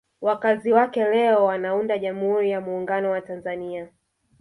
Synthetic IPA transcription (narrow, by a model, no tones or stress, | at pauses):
wakaziwakɛlɛɔwanaundaʄamuhuɾijamuːŋɡanɔwatanzania